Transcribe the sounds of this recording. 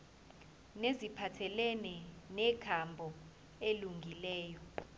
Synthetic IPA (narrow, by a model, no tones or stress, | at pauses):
nezipʰatʰɛlɛnɛnɛkʰambʱɔ | eluŋɡʱilɛːjɔ